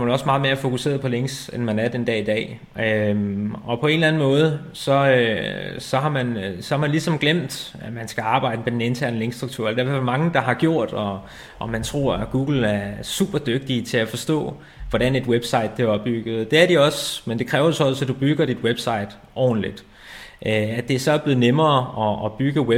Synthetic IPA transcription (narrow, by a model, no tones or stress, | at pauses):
mænɒ̽smɑ̈ːðˠme̝ɐæfo̝kʰuse̝̰ːɐðˠpʰɒ̽le̝ŋ̰ɡsenmænæɐd̥end̥ɛ̰ːid̥ɛ̰ː | ø | ɒ̽pʰɒ̽e̝nlæn̩mɔ̽ːð̞̩ˠ | sɒ̽ | sɒ̽ɦɑ̈mænsɒ̽hɑ̈mænlisɒ̽mɡ̥lem̰d̥æmænsɡ̥æɑ̈ːb̥ɑ̈ɪ̰d̥əmed̥ene̝nt͡sʰæɐ̰nəle̝ŋɡ̥sd̥ʁuɡ̥̚t͡sʰṵɐeld̥æɐʋæmɑ̈ŋəd̥ɑ̈ɦɑ̈ɡ̥jo̝ɐ̰d̥ɒ | ʔːmænt͡sʰʁo̝̰ɐ̰ɡ̥uːɡ̥l̩æɐsṵːb̥ɐd̥øɡ̥̚d̥it͡sʰe̝læfɒ̽sd̥ɔ̰̽ː | ʋɒɾæne̝d̥web̥sɑ̈ɪ̰d̥̚b̥eɒ̽b̥ːyɡ̥ð̩ˠd̥e̝æɐɾ̥iɒ̽smend̥e̝kʰʁɛːʊɐosɒsɒd̥ub̥yɡ̥ɐɾ̥id̥web̥sɑ̈ɪ̰d̥ | ʔɒ̰ːn̩lid̥ | ʔøædd̥e̝æɐsɒ̽æb̥le̝ð̩ˠnemɐːɒ̽ːb̥yɡ̥əwe